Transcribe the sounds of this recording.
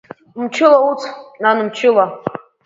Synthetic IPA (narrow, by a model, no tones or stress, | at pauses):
mt͡ʃʰʊlaut͡sʰnanɨmt͡ʃʰʊla